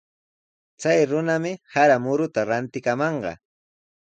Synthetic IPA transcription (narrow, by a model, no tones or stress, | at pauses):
t͡sajɾʊnamɪhaɾamʊɾʊt̪aɾant̪ɪkamɑɴɢɑ̰